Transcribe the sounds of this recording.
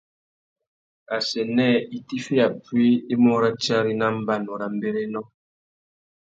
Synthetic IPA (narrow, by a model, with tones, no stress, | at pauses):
a˨sɛ˨nɛ˦˨i˨ti˦fi˦a˨pwi˦i˦mɔ˦ɾa˦t͡ʃa˦ɾi˦na˦m̩˦ba˦˨nɔ˨ɾa˨m̩˦be˦ɾɛ˦nɔ˦